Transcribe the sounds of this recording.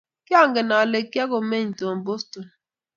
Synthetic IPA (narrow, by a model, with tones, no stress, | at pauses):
ki˦a˦˨ŋɡɛ˨na˨le˨ki˦a˦ko˨me˦ɲ̩˨to˨m˨bo˦sto˨n